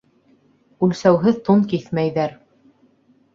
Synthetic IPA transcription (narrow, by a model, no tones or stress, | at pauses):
ʉlsæwɦɘðt̪unkiθmæjðæɾ